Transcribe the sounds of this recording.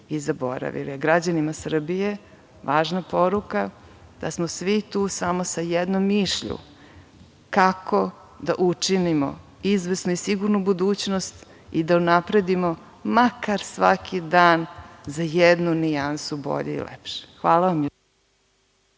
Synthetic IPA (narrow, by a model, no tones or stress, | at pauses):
izabo̰ɾa̰ʋḭliɡɾad͡ʑanimasr̩bije | ʋaːʒnapo̞ɾuka | d̪̥a̰smosʋit̪uːsamo̞sajɛd̪nomːiʃʎṵ | kako | d̪a̰ʔut͡ʂinimo̰ | izʋesnuisiɡuɾnubud̪uːt͡ɕnost̪ | id̪aunapɾed̪imo | makaɾsʋakʰid̪aːnzajed̪nuniansubo̰ʎḛḭlḛpʃe̥xʋaːlˠaʋamj